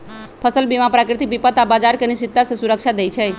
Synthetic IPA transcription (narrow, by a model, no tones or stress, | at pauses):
pʰəsəlbimapɾakɾɪt̪ik̚bipət̪abad͡ʒaɾkeniʃit̪ːasesuɾəkʃad̪ejt͡ʃʰe